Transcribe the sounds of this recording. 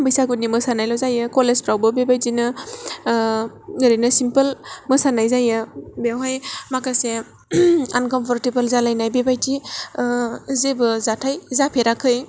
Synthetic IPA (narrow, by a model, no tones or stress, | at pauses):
bɯjsakut̚nimɯsanajlɔzajɯkɔlespɾawbɯbebajtinɯ | ɡɯɾinɯsimpəlmɯsanajzajɯbewɦajmakase | ankɔmpʰɔɾtebəlzalajnajbebajtʰi | zebɯzatʰajzapʰeɾakʰːɯj